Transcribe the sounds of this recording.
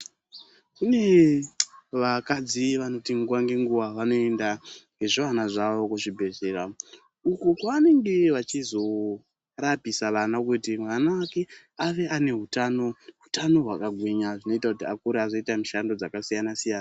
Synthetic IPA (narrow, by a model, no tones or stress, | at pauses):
kune̞ | ʋakad͡ziʋano̞tiŋɡuʋaŋɡe̞ŋɡuʋaʋano̞e̞ndaŋɡe̞ʐiʋanaʐaʋo̞kuʐibʱe̞zeːɾa | ukukwaane̞ŋɡe̞ʋat͡ʃizo̞ | rapisaʋanakutimwanaʋake̞ | aʋe̞ʔane̞ɦutano̞ɦutano̞ɦwakaɡʱwiɲaʐino̞itakutiakuɾeazo̞itamiʃando̞d͡zakasijanasijaːna